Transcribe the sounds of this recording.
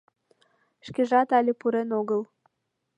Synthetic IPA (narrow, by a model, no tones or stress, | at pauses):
ʃkeʒɑt̪ɑlʲepuɾenoɣəl